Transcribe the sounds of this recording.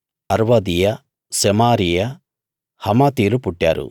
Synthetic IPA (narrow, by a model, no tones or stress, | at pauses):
ɐɾʋɐd̪ijɐ | sɛmaːɾijɐ | hɐmɐt̪iːlupuʈːja̰ːɾṵ